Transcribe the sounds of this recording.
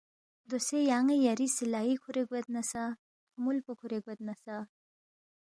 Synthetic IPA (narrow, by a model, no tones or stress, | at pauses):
d̪osejaŋejaɾisilajikʰuɾeɡwet̪̚nɐsa | t̪ʰumulpukʰuɾeɡwet̪̚nɐsa